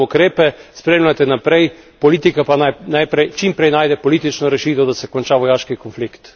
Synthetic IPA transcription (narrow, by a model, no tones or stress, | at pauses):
ukɾeːpɛspɾeːmlʲat̪ɛnapɾɛj | pɔliːt̪ikapananajpɾɛjt͡ʃimpɾɛjnaːjd̪ɛpɔlit̪it͡ʃnɔɾɛʃiːt̪ɔd̪asɛkɔnt͡ʃaʋɔjaːʃkikɔnflikt̪